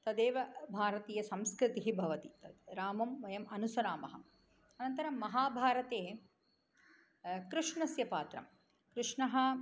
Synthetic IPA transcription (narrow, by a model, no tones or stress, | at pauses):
t̪ɐd̪eːʋɐbʱaːɾɐt̪iːjɐsɐmskɾɪt̪iɦibʱɐʋɐt̪it̪ɐd̪ɾaːmɐmʋɐjɐmɐnusɐɾaːmɐɦɐ̆ | ɐnɐnt̪ɐɾɐmːɐɦaːbʱaːɾɐt̪eː | kɾɨʂɳɐsjɐpaːt̪ɾɐ̰m | kɾɨʂɳɐɦɐ